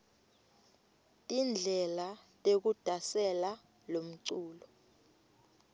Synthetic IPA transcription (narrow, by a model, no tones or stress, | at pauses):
tʼind͡ɮʱɛlatʼek̬ud̥ʱasɛla | lom̩ǀuːlɔ